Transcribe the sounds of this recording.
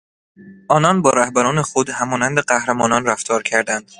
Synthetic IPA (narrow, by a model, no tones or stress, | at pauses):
ʔɒːnɒnbɒːɾæhbæɾɒːnexod̪hæmɒːnænd̪eɢæhɾemɒːnɒnræft̪ʰɒːɾcʰæɾd̪ænd̪̥